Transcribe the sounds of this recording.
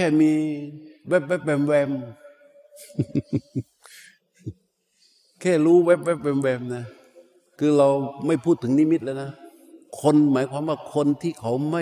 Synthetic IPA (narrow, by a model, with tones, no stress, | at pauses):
kʰɛː˥˩miː˧wɛ˦˥˩p̚wɛ˦˥˩p̚wɛ˧mwɛː˧m | kʰɛː˥˩ɾuː˦˥wɛ˦˥p̚wɛ˦˥˩p̚wɛː˧mwɛː˧mna˦˧˩ | kʰɯː˧ɾa˧wma˥˩jpʰuː˥˩t̪ʰːɯ˩˦ŋniː˦˥mi˦˥t̪̚laː˧na˦˥ | kʰo˧nmaː˨˦jkʰwaː˧mwaː˥˩kʰo˧nt̪ʰiː˥˩kʰa˨˦wma˥˩